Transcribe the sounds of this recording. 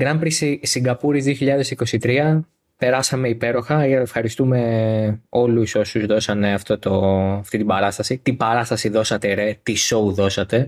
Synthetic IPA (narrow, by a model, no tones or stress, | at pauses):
ɡɾɐmpɾisisiŋɡɐpuɾizðioçiʎɐðe̞siko̞sit̪ɾiɐ | pe̞ɾɐsɐme̞ipe̞ɾo̞xɐefxɐɾist̪ume̞ | o̞luso̞suzðo̞sɐne̞ɐft̪o̞t̪o̞ɐft̪it̪ibɐɾɐst̪ɐsit̪ibɐɾɐst̪ɐsiðo̞sɐt̪eɾet̪iso̞uðo̞sɐt̪e̞